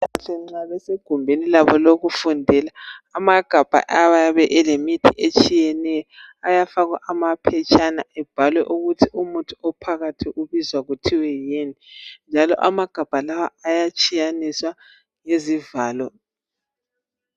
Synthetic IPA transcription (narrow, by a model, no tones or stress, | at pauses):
aɬɛŋ͡ǀaβɛseɡ̥ʱumbʱenilaβɔloɣufundʱɛlaːmaɡ̥ʱab̥ʱa̰ʔawajaβɛʔɛlemitʰiʔet͡ʃʼijɛnɛjɔajafaɣwa̰ʔamapʰɛt͡ʃʰʼanaɛb̥ʱalwɛʔuɣutʰiʔumutʰuɔpʰaɣatʰiʔuβizwaɣutʰiwɛjenind͡ʒʱalɔ̰ʔamaɡ̥ʱab̥ʱalawaːjat͡ʃʼijaniswa | ŋezivaːlɔ